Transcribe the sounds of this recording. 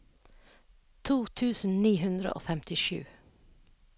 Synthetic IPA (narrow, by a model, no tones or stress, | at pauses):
t̪ʰuːt̪ʰʉːsn̩niːhʉnd̪ɾə̰ʔo̰ːfɛmt̪ʰɪʃʉ̰ː